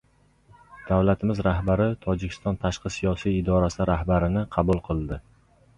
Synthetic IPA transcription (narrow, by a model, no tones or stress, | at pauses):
d̪̥awlat̪ʰɪmɪzɾahbaɾɪt̪ʰɒd͡ʒɪkʲʰɪ̥st̪ɒnt̪ʰaʃqɨsijɒsijːd̪ɒɾasɪɾahbaɾɪnɪqʰɑbulˠqʰɨlˠd̪ɪ